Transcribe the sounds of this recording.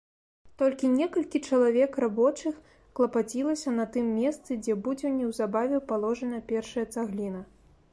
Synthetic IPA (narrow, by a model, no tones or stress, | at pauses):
t̪ɔlʲkʲinʲɛkɐlʲkʲit͡ʂɐlˠavʲɛkrabɔt͡ʂɨx | klˠɐpat͡sʲilˠɐsʲɐnɐt̪ɨmːʲɛst̪sɨd͡zʲɛbud͡zʲɛwnʲɛwzabavʲɛpalˠɔʐɐnɐɐpʲɛrʂɐjɐt̪saɣlʲinɐ